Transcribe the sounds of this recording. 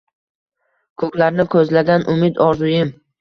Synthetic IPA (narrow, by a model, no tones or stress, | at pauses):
kʰɵkʲlaɾnɪkʰɵzlaɡʲanʔʊmɪd̪ɒɾzʊjɪm